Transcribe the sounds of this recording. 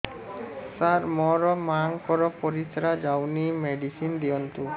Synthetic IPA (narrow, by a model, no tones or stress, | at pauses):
saɾmɔɾɔmaŋkɔɾɔpɔɾisɾad͡ʒawnimɛɖisind̪iɔnt̪u